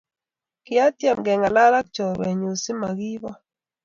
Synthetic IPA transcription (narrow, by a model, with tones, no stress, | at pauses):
kɪ˦a˦tjɛ˦˨mɡɛ˨ŋa˨la˦ɾa˦k̚t͡ʃɔ˨ɾwɛ˨ɲu˨sɪ˦ma˨ɡi˦βɔ˦